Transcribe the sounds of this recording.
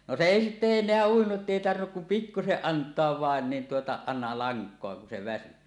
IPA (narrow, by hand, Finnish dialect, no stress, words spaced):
no se eˑi sitːe enˑeæ uinuʔ ʔetːeˑi tɑrʋinːuk kum pikːuseʔ ʔɑntˑoɑʋ ʋɑˑen nin tuotɑ ɑˑenɑ lɑŋkˑoɑ kun se ʋæsy